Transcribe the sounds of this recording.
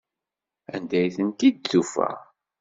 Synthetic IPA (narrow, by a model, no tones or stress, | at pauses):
æ̰nd̪æjθənt̪id̪̚θufæ̰